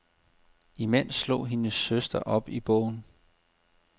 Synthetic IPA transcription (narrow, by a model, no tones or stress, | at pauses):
imen̰slo̰ːɦe̝nəsːøsd̥ɐʔɒ̽b̥ib̥ɔ̰ʊ̰n̩